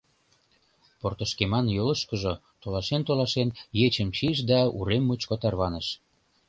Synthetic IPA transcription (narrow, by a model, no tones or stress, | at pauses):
port̪əʃkemɑnjolə̆ʃkə̆ʒo | t̪olɑʃent̪olɑʃenjet͡ɕəmt͡ɕiʃ̬d̪ɑṵɾemːut͡ɕkot̪ɑrβɑnəʃ